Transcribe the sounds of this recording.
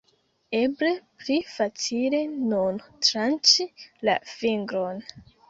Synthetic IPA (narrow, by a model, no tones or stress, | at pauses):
e̞ble̞plifat͡sile̞nuntɾant͡ʃila̰fiŋɡɾo̞n